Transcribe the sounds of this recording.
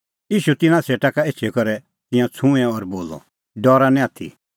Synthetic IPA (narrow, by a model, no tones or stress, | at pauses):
jiːʃut̪ɪnãsʰeːʈakaeːt͡ʃʰɛkɔɾɛ | t̪ɪ̃jãt͡sʰũɛ̃ɔɾboːlɔ̰ | ɖɔːɾanɛ̃aːt̪ʰḭ